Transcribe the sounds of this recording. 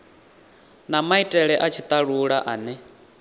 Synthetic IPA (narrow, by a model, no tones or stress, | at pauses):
namaitʼɛɺɛʔat͡ʃʰit̪ʼaɺuɺaʔaːnɛ